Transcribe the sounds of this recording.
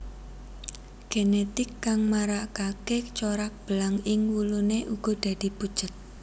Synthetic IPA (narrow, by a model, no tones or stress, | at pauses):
ɡ̥enet̪ɪkːaŋmaɾaʔkaket͡ʃoɾak̚b̥əlaŋɪŋwuluneʔuɡ̥ɔ̤d̪̥a̤d̪̥i̤b̥ud̥ʒ̥ə̤t̪̚